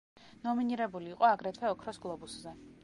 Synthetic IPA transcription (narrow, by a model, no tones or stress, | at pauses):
nɔminiɾɛbuliːqʼɔaɡɾɛt̪ʰwɛɔkʰɾɔsɡlˠɔbuszɛ